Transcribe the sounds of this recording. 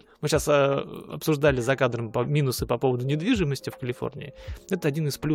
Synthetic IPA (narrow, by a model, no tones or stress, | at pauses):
mɨɕasɐ̰psʊʐd̪alʲɪzɐkad̪ɾəmpəinʊsɨpɐpo̞vəd̪ʊnʲɪd̪vʲiʐɨməsʲtʲɪfkəlʲɪfo̞̰rnʲɪ̰ɪɛt̪əɐdʲinɨsplʲu